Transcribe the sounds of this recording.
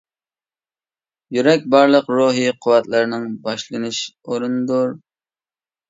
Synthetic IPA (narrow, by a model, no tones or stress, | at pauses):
jyɾɛk̚ʲbɑɾlˠəqɾoɦiqʰʊwɛt̪lˠɨɾnɪŋbɑʃlˠɨnɨʃoɾund̪uɾ